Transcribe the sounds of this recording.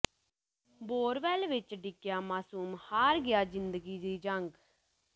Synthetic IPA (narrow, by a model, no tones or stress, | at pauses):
boːɾʋɛːlʋɪt͡ʃɖɪkjaːmaːsuːmhaːɾɡɪjaːd͡ʒɪnd̪əɡiːd̪iːd͡ʒəŋɡ